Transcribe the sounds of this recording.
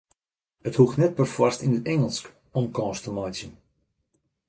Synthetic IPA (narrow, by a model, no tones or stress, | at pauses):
əthuxtnɛt̚pərfwastinətɛŋəlˠsk | ɔmkɔ̃ːstəmɔjtjən